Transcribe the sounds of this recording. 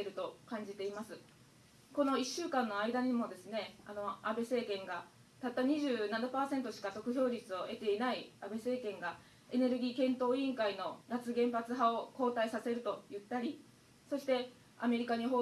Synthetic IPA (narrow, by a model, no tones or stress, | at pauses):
eɾɯ̟t̪o̞kãɲ̟d͡ʑit̪e̞imasɨ | ko̞no̞iɕːɨːkãnːo̞aid̪aɲ̟imo̞d̪e̞sɨne̞ano̞abe̞se̞ːkẽ̞ŋɡa | t̪at̪ːaɲ̟iʑɨːnanapaːsẽ̞nt̪o̞ɕi̥kat̪o̞kɯ̟ço̞ːɾʲit͡sɨo̞ʔe̞t̪e̞inaiabe̞se̞ːkẽ̞ŋɡa | e̞ne̞ɾɯ̟ɡʲiːkẽ̞nt̪o̞ːĩŋkaino̞ɾat͡sɨɡẽ̞mpat͡sɨɦao̞ko̞ːt̪aisase̞ɾɯ̟t̪o̞jɯ̟t̪ːaɾʲi | so̞ɕi̥t̪e̞ | ame̞ɾʲikaɲ̟iɦo